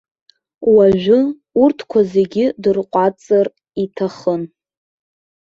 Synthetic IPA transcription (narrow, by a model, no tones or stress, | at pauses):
waʒᶣʷʊ | urtʰkʷʰaze̞ɡʲɪdɨrqʷʼat͡sʼar | itʰaχən